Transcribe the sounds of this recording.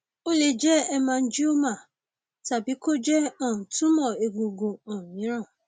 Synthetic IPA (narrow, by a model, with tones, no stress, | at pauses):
o˦le˦d͡ʒɛ˦ɛ˦mã˧n̩˦d͡ʒi˦o˦mã˦˨ | ta˨bi˨˦ko˦d͡ʒɛ˦ɔ̃˦˨tũ˦mɔ̃˦˨e˨ɡo˨ɡo˨ɔ̃˨mĩ˨˦ɾ̃ã˦˨